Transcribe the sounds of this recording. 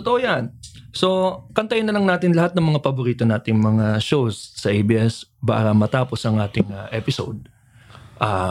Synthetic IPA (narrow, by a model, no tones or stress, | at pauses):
ot̪oʔojanso̞kɐnt̪ɐjɪnːɐlɐŋnaːt̪ɪnlɐhat̪̚nɐŋmɐŋapɐboɾiːt̪o̞naːt̪ɪŋmɐŋaʃowsːɐʔejbiːʔɛsba̰ːɾɐmɐt̪aːpo̞sʔɐŋʔaːt̪ɪŋɐʔɛpɪso̰d̪̚ | ʔa